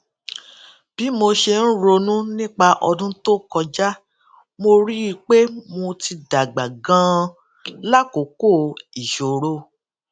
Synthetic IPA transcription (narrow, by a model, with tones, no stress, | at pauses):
b̥i˨˦mo˧ʃe˧n̩˦ɾo˧nũ˦nĩ˦k͡pa˧ʔɔ̰˧dũ˦to˦kɔ˧d͡ʒa˦ | mo˧ɾi˦˧k͡pe˦mõ˧ti˧da˨ɡ͡ba˨ɡã˦ | la˦ko˨˦ko˦˨i˨ʃo˨ɾo˧˦